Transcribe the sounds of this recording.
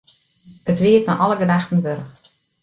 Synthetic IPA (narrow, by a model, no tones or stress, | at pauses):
ətʋiətnɔʔɔləɡədaxtən̩ʋøɾəx